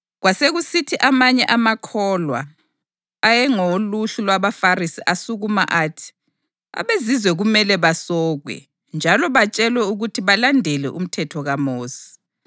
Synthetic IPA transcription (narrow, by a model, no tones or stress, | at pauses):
ɣwaseɣusitʰiʔamaɲɛʔamakʰɔlwa̰ː | jɛŋoluɬulwaβafarisiʔasuɣuma̰ʔatʰi̥ | a̰βezizwɛɣumɛlɛβasɔːɣwɛ̰ | nd͡ʒʱalɔβat͡ʃʼɛlwɛuɣutʰiβalandʱɛlɛ̰ʔum̩tʰɛtʰɔɣamoːsi̥